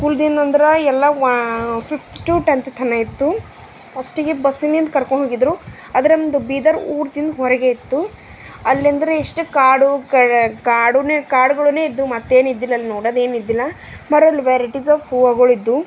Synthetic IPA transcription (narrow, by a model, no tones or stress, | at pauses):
skuld̪ind̪ɐnd̪ɐɾɐɛlːɐʋpʰipʰʈʈuʈent̪ʰt̪ʰɐnɐit̪ːu | pʰɐsʈiɡebɐsːind̪ind̪kɐɾkoɳɖɦoːɡid̪ɾu | ɐd̪ɐɾend̪ubiːd̪ɐɾuːɾd̪ind̪uɦɔɾɛɡe̞it̪ːu | ɐlːiɐnd̪ɐɾeiʂʈukaːɖukɐkaːɖuneːkaːɾɖuɡɐɭune̞ːid̪ːumɐt̪ːeːnid̪ːilːɐːlːinoːɽɐːd̪e̞ːnid̪ːilːɐ | mɐɾɐlːiʋeɾiʈizaːʋhuːɐɡɐɭid̪ːu